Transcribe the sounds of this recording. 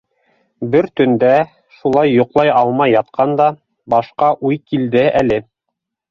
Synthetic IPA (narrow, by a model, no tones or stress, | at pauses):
bɘɾt̪ɵ̆nd̪æ | ʃulˠɑjːŏqlˠɑjɑlˠmɑjːɑt̪qʰɑnd̪ɑ | bɑʃqɑʔujkild̪ɘælɘ